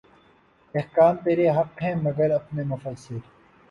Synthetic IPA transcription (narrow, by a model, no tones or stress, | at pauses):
ehkaːmt̪eːɾeɦɐkɦɛ̃ːmɐɡɐɾɐpnemʊfəsɪɾ